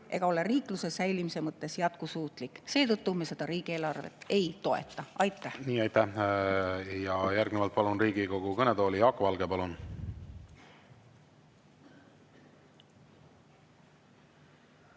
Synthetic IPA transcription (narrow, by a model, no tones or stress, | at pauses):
ʔe̞ɡ̥ɑo̞le̞riːkˑluse̞sæjlimise̞mɤt̪ːˑe̞sjɑt̪̚kusuːt̪ˑlikˑse̞ːt̪ɤt̪ˑːumese̞d̪̥ɑɾiːɡ̥ieːlɑrve̞̰t̪ːˑe̞jt̪o̞e̞̰t̪ˑːɑʔɑjt̪ːˑæhniːɑjt̪æh | jɑjærɡnevɑlt̪̚pɑlunɾiːɡiko̞ɡ̥ukɤnet̪o̞ːlijɑːkːovɑlɡepɑlun